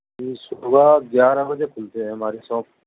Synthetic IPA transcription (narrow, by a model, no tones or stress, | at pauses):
iːsubaɡjaːɾãːbəd͡ʒeːpʰʊlt̪eɛ̃maːɾiːsɔ̃ːk